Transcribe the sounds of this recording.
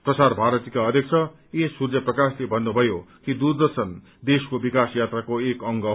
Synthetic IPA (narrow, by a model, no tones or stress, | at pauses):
prʌsarbʱaɾʌt̪ikaʌd̪ʱjʌkt͡sʰʌ | esurd͡zʌprʌkaslebʱʌnːubʱʌjokid̪urd̪ʌrsʌn | d̪eskobikasjat̪rakoekʌŋɡʌ